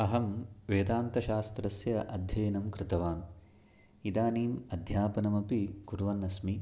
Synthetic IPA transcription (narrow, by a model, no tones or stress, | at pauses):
ɐɦɐmʋeːd̪aːnt̪ɐʃaːst̪ɾɐsjɐʔɐd̪ʱjɐjɐnɐmkɾɪt̪ɐʋaːn | id̪aːniːmɐd̪ʱjaːpɐnɐmɐpikuɾʋɐnːɐsmi